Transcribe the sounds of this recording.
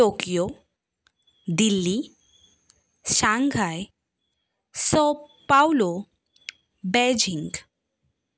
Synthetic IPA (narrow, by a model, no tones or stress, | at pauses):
okijo | d̪ilːi | ɕãŋɡʱaj | sɔpawlo | bɛd͡ʑiŋɡ